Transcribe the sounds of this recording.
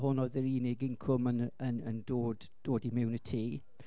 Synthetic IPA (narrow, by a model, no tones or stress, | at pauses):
ɦʊnɔðəɾiːnɪɡɪnkʰrʊmənənəndoːd | d̥oːdimɪwnətʰiː